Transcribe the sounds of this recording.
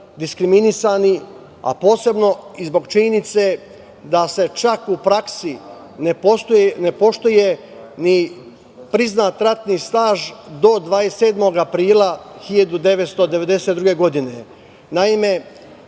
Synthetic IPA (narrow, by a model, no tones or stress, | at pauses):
d̪iskɾiminisaːni | a̰po̞ːse̞bno̞izbo̞ɡt͡ʃiɲenit̪se | d̪ase̞t͡ʃakupɾaksi | nepost̪ujenepo̞ʃt̪uje | ni | pɾiznaːt̪ɾat̪nist̪aːʒd̪o̞d̪ʋaːese̞ːd̪mo̞ɡapɾiːlˠaxiʎad̪ud̪e̞ʋet̪st̪o̞d̪e̞ʋe̞d̪e̞set̪ɾuɡe̞ɡo̞d̪ine̞ | naime̞